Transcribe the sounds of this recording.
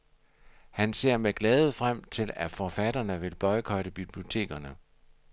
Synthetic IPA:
hænse̝ɐ̰meɡ̥lɛːð̩ˠfʁam̰t͡sʰe̝læfɒfæd̥ɐnəʋe̝lb̥ɒ̽ɪkʰɒ̽ɪd̥əb̥ib̥lio̝t͡sʰe̝̰ːɡ̥ɐnə

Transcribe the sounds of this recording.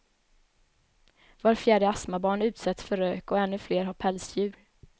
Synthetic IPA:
vaɾfjæːɖəasmabɑːɳʉ̟ːt̪sɛt̪sfœɾøːkɔɛnːɵfleːɾɦaɾpʰɛlsjʉ̟ːɾ

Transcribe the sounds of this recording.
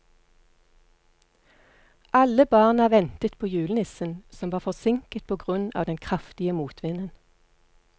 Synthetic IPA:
ʔɑləbɑːʁnɑʋɛnt̪ət̪pʰoːjʉːlnɪsənsɔmʋɑːfɔsɪŋkət̪̚pʰoːɡʁʉnɑ̰ːʋd̪ɛnkʰʁɑft̪ɪəmuːt̪ʰʋɪnən

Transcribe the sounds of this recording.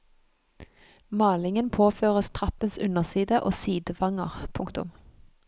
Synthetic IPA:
mɑːlɪŋənpʰoːføːʁəst̪ʰʁɑpənsʉnəʁsiːd̪əʔoːsiːd̪əʋɑŋə̰ʁpʰʊŋkt̪ʊ̰m

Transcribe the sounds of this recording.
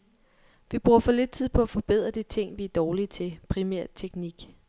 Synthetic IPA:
ʋib̥ʁuɐfɒ̽le̝d̥̚t͡sʰið̰ˠpʰɒ̽æfɒ̽b̥e̝ð̞̰ˠʁɐd̥it͡sʰe̝ŋ̰ʋiæɐd̥ɒːlit͡sʰe̝pʰʁimæɐ̰t͡sʰeɡ̥niɡ̥

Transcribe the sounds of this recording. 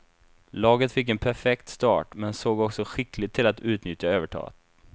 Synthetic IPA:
lɑːɡət̪fɪkːɛnpʰæɾfɛkt̪st̪ɑ̰ːʈmɛnsoːɡɔksɔɧɪklɪt̪ʰːɪlat̪ʉ̟ːt̪nʏt̪jaøːvəʈʰɑ̰ːɡə̰t̪

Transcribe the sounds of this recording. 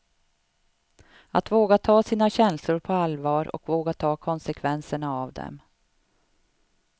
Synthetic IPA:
at̪voːɡat̪ʰɑːsiːnaɕɛnslʊɾpʰɔalvɑːɾɔ̰kvoːɡat̪ʰɑːkʰɔnsɛkʰvɛnsəɳaavd̪ɛ̰m

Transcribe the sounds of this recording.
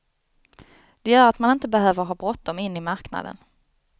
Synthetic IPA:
d̪̥ɛjœːɾat̪manɪnt̪əbɛɦøːvəɾɦɑːbɾɔt̪̚d̪ɔmɪnːɪmaɾkna̰d̪ə̰n

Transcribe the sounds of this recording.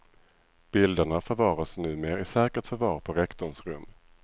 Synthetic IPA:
b̥ɪld̪əɳafœɾvɑːɾasnʉ̟ːmeːɾɪsɛːkəʈfœɾvɑːɾpʰɔɾɛkt̪ɔɳsɾɵmː

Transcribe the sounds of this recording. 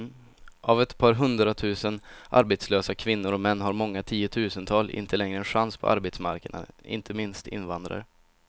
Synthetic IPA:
ʔavɛt̪pʰɑːɾɦɵnd̪ɾat̪ʰʉ̟ːsənʔa̰ɾbet̪sløːsakʰvɪnːʊɾɔmɛnːɦaɾmɔŋːat̪ʰiːʊt̪ʰʉ̟ːsənt̪ʰɑːlʔɪ̰nt̪ʰəlɛŋɾəɛnɧanspʰɔ̰ʔa̰ɾbeːt̪smaɾkəɳa̰ɪ̰nt̪ʰəmɪnst̪ʰɪ̰nːvand̪ɾa̰ɾ

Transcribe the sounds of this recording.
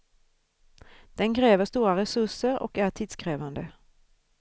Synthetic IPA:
d̪̥ɛnkʰɾeːʋəst̪uːʁaɾɛsʉsəɾɔ̰kæʁt̪ʰiːd̪skɾeːʋand̪ə

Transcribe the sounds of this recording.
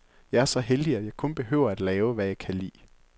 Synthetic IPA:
jɑ̈ɪæɐsɒ̽ɦeld̥iæ̥jɑ̈ɪkʰɔ̽nb̥e̝ɦø̰ʊ̰ɐæd̥lɛːʊʋæjɑ̈ɪkʰælḭː

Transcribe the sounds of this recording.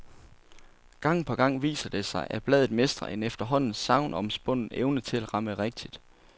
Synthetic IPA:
ɡ̥ɑ̈ŋ̰pʰɒ̽ɡ̥ɑ̈ŋ̰ʋḭːsɐd̥e̝sɑ̈ɪʔæb̥lɛð̩ˠme̝sd̥ʁɐ̰ʔe̝nefd̥ɐɦɒ̽n̰n̩sɑ̈ʊnɒ̽msb̥ɔ̽n̰n̩eʊnət͡sʰe̝læd̥ʁɑ̈məʁɛɡ̥̚d̥id̥

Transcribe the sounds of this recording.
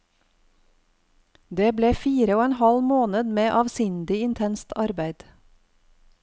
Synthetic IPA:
d̪eːbleːfiːɾəoːɛnhɑlmoːnəd̪meːʔɑːʋsʏnd̪ɪɪnt̪ʰɛnst̪ʰɑɾbæɪd̪̥

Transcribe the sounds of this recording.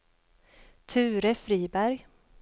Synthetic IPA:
t̪ʰʉ̟ːɾəfɾiːbæɾj

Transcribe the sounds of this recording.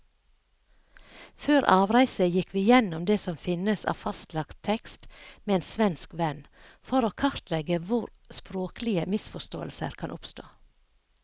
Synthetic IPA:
føːɾʔɑːʋɾæɪsəjɪkʋiːjɛnʊmd̪eːsɔmfɪnəsɑ̰ːfɑst̪lɑkt̪ʰɛkst̪meːeːnsʋɛnskʋɛn | fɔɾoːkʰɑɾt̪lɛɡəʋʊɾ | spɾoːklɪəmɪsfɔʃt̪o̰ːəlsə̰ɾkʰɑnʔʊpst̪o̰ː

